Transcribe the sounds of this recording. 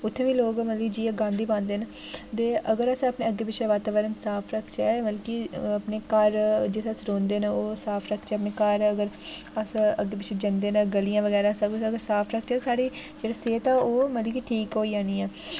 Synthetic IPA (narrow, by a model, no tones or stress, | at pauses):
ʊt̪ʰːẽːʋiːloːɡmət̪ləd͡ʒiːɡãːnd̪iːbãːnd̪eːn | t̪eːʔəɡəɾəsəpneːəɡeːpɪt͡ʃʰʃʰeʋaːt̪aːʋəɾənsaːpʰɾəkʰt͡ʃɛːməlkiəpneːkəɾd͡ʒɪt̪ʰːəsɾoːnd̪eːnaoːsaːpʰɾəkʰːt͡ʃɛːəpneːkəɾəɡəɾəsəɡːeːpɪt͡ʃʰeːd͡ʒənd̪eːnaɡəlijãːʋəɡɛːɾãːsək̪ːəɡəɾsaːpʰɾəkʰt͡ʃɛːsaːɽiːd͡ʒeːɽeːseːt̪ãːoːmələkiʈʰiːkɦoːiːãːniːɛː